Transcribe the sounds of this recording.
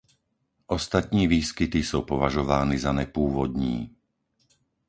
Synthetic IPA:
ʔɔst̪at̪ɲiːʋiːskit̪isupɔʋaʒɔʋaːnizanɛpuːʋɔd̪ɲiː

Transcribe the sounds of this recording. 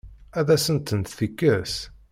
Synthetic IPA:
æðæsənt̪ənt̪θikːəs

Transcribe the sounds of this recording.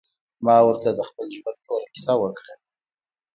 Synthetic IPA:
mɑwəɾt̪ad̪əxpəlʒwan̚t̪ʰoɾakɪ̥sɑwəkɽa

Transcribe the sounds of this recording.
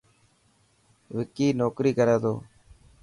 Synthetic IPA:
ʋɪkiːnoːkɾiːkəɾẽːt̪o̰ː

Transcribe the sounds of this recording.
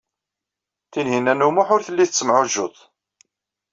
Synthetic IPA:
θinɦinːænːumʊħʊɾθəlːiθət͡sːəmʕʊʒʊtˤ

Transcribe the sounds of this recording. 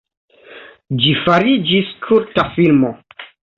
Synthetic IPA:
d͡ʒifaɾid͡ʒiskʰuɾtafilmo

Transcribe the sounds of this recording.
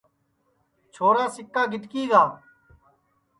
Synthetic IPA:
t͡ʃʰoːɾaːsɪkːaːɡʱɪʈkiːɡaː

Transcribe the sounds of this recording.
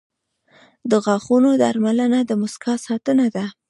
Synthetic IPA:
d̪əɣɑxunod̪aɾmalənad̪əmʊskɑsɑt̪ənad̪a

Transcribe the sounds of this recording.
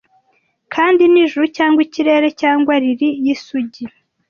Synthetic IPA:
kʰaːndiniʒuɾucaːŋɡwiciɾe̞ɾe̞caːŋɡwaɾiɾijisuɟi

